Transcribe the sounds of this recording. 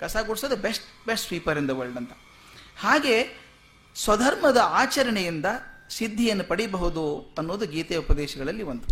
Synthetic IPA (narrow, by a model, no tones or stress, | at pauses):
kɐsaːɡoɽsoːd̪ɐbesʈbesʈpiːpɐɾind̪ɐʋɐɭɖɐnt̪ɐ̥ | haːɡe̞ | sʋɐd̪ʱɐɾmɐd̪ɐaːt͡ʃɐɾɐɳɛjind̪ɐsid̪ʱːijɐnːupɐɽibɐɦud̪uɐnːoːd̪uɡiːt̪eupɐd̪ɛːʃɐɡɐɭɐlːiʋond̪u